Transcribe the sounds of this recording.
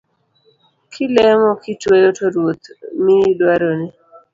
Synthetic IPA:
kʰɪlɛmɔkɪtwejotʰoɾwot̪mɪdwaɾonɪ

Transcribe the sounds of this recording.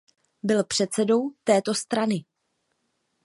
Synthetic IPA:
bɪlpr̝̥ɛt̪t͡sɛdo̞wt̪ɛːt̪o̞st̪ɾanɪ

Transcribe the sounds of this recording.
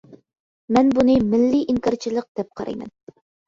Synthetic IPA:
mɛnbunɨmɪlːiʔiŋkɑɾt͡ʃʰilˠəq̚d̪̥ɛp̚qʰɑɾɑ̰jmɛ̰n

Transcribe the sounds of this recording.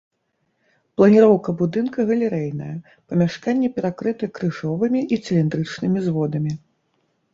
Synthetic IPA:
plˠɐnʲiɾɔwkɐbud̪ɨnkɐɣɐlʲɛɾɛjnɐ̰jɐ | pɐmʲaʂkanʲːɛpʲɛɾakɾɨt̪ɨkɾɨʐɔvɨmʲiʔisʲɛlʲind̪ɾɨt͡ʂnɨmʲizvɔd̪ɐmʲi

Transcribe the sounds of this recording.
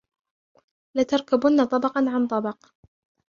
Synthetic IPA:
lat̪ɑɾˤkabʊnːat̪ˤɑbɑqɑnʕant̪ˤɑbɑq

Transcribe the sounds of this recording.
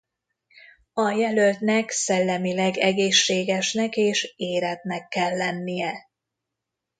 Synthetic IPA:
ɒjɛlølt̪nɛksɛlːɛmilɛɡɛɡeːʃːeːɡɛʃnɛkeːʃeːɾɛt̪̚nɛkːɛlːɛnːijɛ

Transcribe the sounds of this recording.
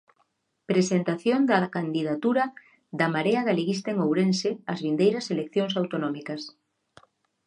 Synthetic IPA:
pɾesent̪aθjond̪akand̪iðat̪uɾa | ðamaɾeaðaliɣist̪eŋowɾẽnseazβind̪ejɾɐselekθjoŋsawt̪onɔmikas

